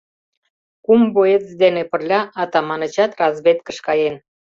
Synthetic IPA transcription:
kumboet͡sd̪enepə̆rlʲɑɑt̪ɑmɑnə̆t͡ɕɑt̪rɑzβet̪̚kəʃkɑjen

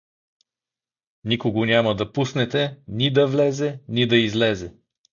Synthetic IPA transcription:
nikoɡonʲamɐd̪ɐpusnɛt̪ɛnʲid̪ɐvlɛzɛnid̪ɐizlɛzɛ

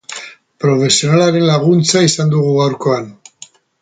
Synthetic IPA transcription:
pɾo̞fe̞sio̞nalaɾe̞nlaɣ̞unt͡saisand̪uɣuɣawɾko̞an

